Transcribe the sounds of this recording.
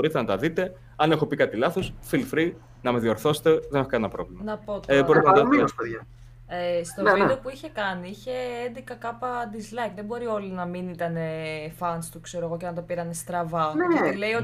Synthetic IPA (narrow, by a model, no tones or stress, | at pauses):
boɾit̪enɐt̪ɐðit̪e̞ | ɐne̞xo̞pikɐt̪ilɐθo̞sfilfɾi | nɐmeðio̞ɾθo̞se̥t̪e̞ðenexokɐnenɐpɾo̞̰vlimɐnɐpo̞t̪oɾit̪enɐɐt̪ɐispeðʝɐ | est̪o̞vid̪eopuiçe̞kɐniiçe̞end̪ikɐkɐpɐd̪izlɐikðebo̞ɾio̞linɐminit̪ɐne̞fɐnst̪ukse̞ɾoeɣo̞cenɐnt̪opiɾɐnest̪ɾɐvɐt̪ile̞io̞